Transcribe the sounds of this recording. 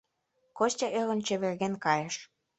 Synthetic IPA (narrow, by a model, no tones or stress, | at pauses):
kostʲɑʔelə̆nt͡ɕĕβerɣenkɑjeʃ